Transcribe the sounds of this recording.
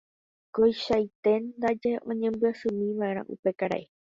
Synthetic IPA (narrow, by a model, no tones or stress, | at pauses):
kojʃajt̪e̞nd̪ad͡ʒeʔõ̞ɲẽ̞mbɨasɨ̃mĩʋãʔẽ̞ɾ̃ã̰ʔṵpe̞kaɾa̰ʔe